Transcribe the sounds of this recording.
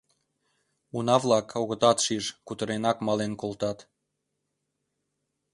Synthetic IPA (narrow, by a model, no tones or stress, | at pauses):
unɑβlɑkʰoɣə̆t̪ɑt̪ʃiʒkut̪əɾenɑkmɑlenkolt̪ɑt̪